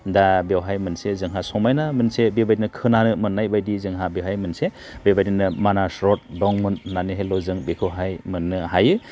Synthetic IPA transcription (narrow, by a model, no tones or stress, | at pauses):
dabewɦajmɯnsezɯŋɦasɔmajnamɯnsebebajdinɯkʰɯnanɯmɯnːajbajdizɯŋɦabewɦajmɯnse | bebajdinɯmanasɾɔt̚dɔŋmunːaniɦajlɔzɯŋbekʰɯwɦajmɯnːɯɦajɯ